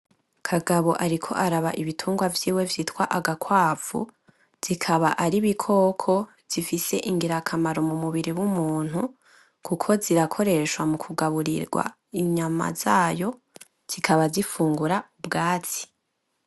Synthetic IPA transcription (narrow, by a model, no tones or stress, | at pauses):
kʰaɡaβo̞ʔaɾikʰo̞̰ʔaɾaβa̰ʔiβitʰuːŋɡwavjiːwe̞vjiːtkwaʔaɡakwaːfṵ | z̥ikʰaβaʔaɾiβikʰo̞ːkʰo̞ | z̥ifise̞ʔiŋɡiɾakʰamaɾomumuβiɾiwumuːn̥hu | kukʰo̞ziɾakʰo̞ɾe̞ʃwamukʰuɡaβuɾḭɾɡwa̰ | iɲama̰zaːjo̞ | z̥ikʰaβazifuːŋɡuɾaubɡaːt͡si̥